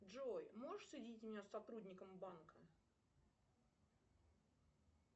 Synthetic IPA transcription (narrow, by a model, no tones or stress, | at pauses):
ʐojmoʐəʂsʲɪdʲitʲmɪnʲasːɐt̪ɾudʲnʲɪkəmbankʰə